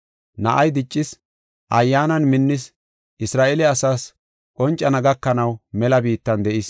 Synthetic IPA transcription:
nɐʔɐjd̪ɪt͡ʃʼːɪs | ʔɐjːaːnɐnmɪnːɪs | ʔɪsɾaːʔelɛɐsaːs | kʼɔnt͡ʃʼːɐnɐɡɐkːɐnɐwmɛlɐbiːt̪ːɐnd̪ɛʔɪs

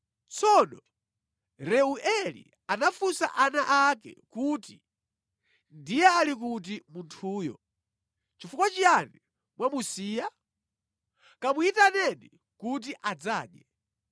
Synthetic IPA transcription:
t͡sɔnɔ | ɾɛuʔɛlḭ | anafusa̰ʔanaʔakɛ̰kuti | ndijɛalik̬ut̬imuntʰuːjɔ̰ | t͡ʃifukwat͡ʃijani | mwamusiːja | kamuitanɛni | kut̬iʔad͡zaːɗjɛ

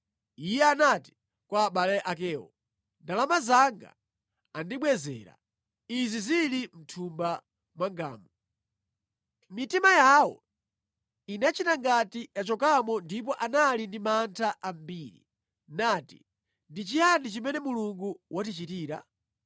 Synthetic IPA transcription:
ijɛanati̥ | kwaːɓalɛʔak̬ɛːwɔ̰ | ndalamazaŋɡa̰ | andiɓwɛzɛ̰ːɾa̰ | izizilim̩tʰumba | mwaŋɡa̰ːmɔ | mitimajawɔ̰ | inat͡ʃitaŋɡatijat͡ʃɔkamɔndip̬ɔʔanalindimantʰaʔambiːɾḭ | natḭ | ndit͡ʃijanit͡ʃimɛnɛmuluŋɡuwʔatit͡ʃitiːɾa̰

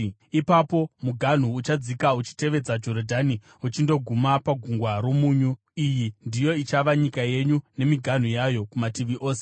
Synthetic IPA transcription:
ipapo̞muɡʱan̤uːt͡ʃad͡zikaut͡ʃi̥te̞ʋe̞d͡zad͡ʒo̞rodʱani | ut͡ʃindo̞ɡʱumapaɡʱuŋɡwaɾo̞muːɲu | ijindijo̞it͡ʃaʋaɲikaje̞ɲune̞miɡʱan̤ujajo̞kumatiʋiʔo̞ːse

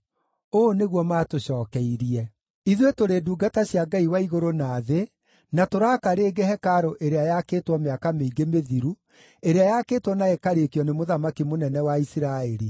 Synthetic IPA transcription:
oːneɣwɔmaːtoɕɔːkɛiɾiɛ | iðwetoɾeduːɡataɕjaɡaiwaiɣoɾonaːðe | natoɾaːkaɾeːɡehɛkaɾoʔeɾeajakeːtwɔmeakameiɡemeðiɾu | eɾeajakeːtwɔnaekaɾekiɔnemoðamakimonɛnɛwaisiɾaɛɾi

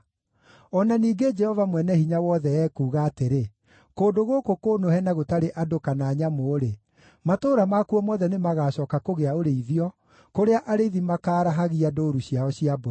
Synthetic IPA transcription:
ɔnaniːɡed͡ʒɛhɔvamwɛnɛhiɲawɔðɛɛːkuːɣaːteɾe | koːdoɣokokoːnohɛnaɣotaɾeʔadokanaːɲamoːɾe | matoːɾamakuɔmɔðɛnemaɣaːɕɔːkakoɣeaoɾeiðiɔ | koɾeaʔaɾeiðimakaːɾaɦaɣiadoːɾuɕiaɔɕiabo

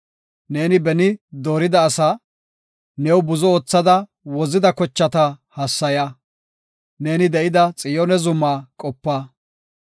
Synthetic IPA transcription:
ne̞ːnɪbɛnɪd̪oːɾɪd̪ɐːsaː | nɛwbʊzɔoːt͡sːɐd̪ɐ | wɔzɪd̪ɐkɔt͡ʃːɐt̪ɐhɐsːɐjɐ | ne̞ːnɪd̪ɛʔɪd̪ɐt͡sʼɪjɔnɛzʊmːaːkʼɔpːaː

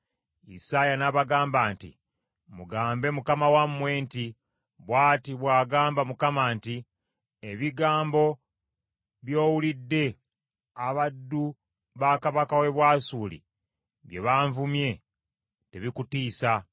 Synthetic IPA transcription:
ḭsajanaβaɡaːmbaːntḭ | muɡaːmbe̞mukamawamːwe̞ːnti | βwaːtiβwaːɡaːmbamukamaːnti | eβiɡaːmbo̞ | βjo̞ːwulidːe̞ | aβadːu | βakaβakawe̞βwaːsuːlḭ | βjeβaːɱvumje̞ | te̞βikutiːsa

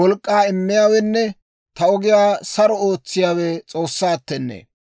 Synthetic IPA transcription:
wɔlkʼːaːɪmːɪjaːwɛnːɛ | t̪ɐɔɡɪjaːsɐɾɔoːt͡sːɪjaːwɛt͡sʼo̞ːsːaːt̪ːɛnːḛː

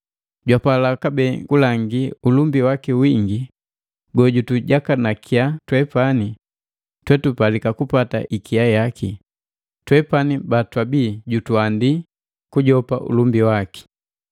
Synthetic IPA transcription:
ɟwapalakabɛŋɡulaŋɡiulumbiwakiwiŋɡi | ɡɔɟutuɟakanakʰiatwɛpani | twɛtupalikakupata̰ʔikiajakʰi | twɛpanibatwabiɟutuandi | kuɟɔpaʔṵlumbiwaki̥

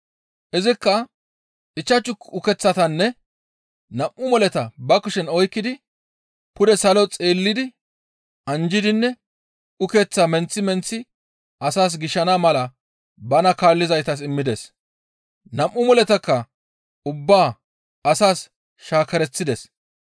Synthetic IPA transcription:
ʔɪzɪkːɐ | ʔɪt͡ʃːɐt͡ʃːʊkʊkɛt͡sːɐt̪ɐnːɛ | nɐmʔːʊmɔlɛt̪ɐbɐkʊʃɛnɔjkːɪd̪ɪ | pʊd̪ɛsɐlɔt͡sʼeːlːɪd̪ɪ | ɐnd͡ʒɪd̪ɪnːɛ | ʊket͡sːamɛnt͡sːɪmɛnt͡sːɪ | ɐsaːs̬ɡɪʃɐnamɐlɐ | bɐnɐkaːlːɪzɐjt̪ɐs̬ɪmːɪd̪ɛs | nɐmʔʊmɔlɛt̪ɐkːɐ | ʊbːaː | ɐsaːs | ʃaːkɐɾɛt͡sːɪd̪ɛs

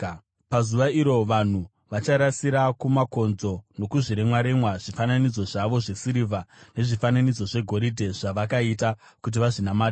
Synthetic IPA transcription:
pazuʋaiɾo̞ʋan̤u | ʋat͡ʃaɾasiɾakumako̞nzo̞no̞kuʐiɾemwaɾemwaʐifananid͡zo̞ʐaʋo̞ʐe̞siɾivane̞ʐifananid͡zo̞ʐe̞ɡʱo̞ɾidʱe̞ʐaʋakaita | kut̬iʋaʐinamaːdi

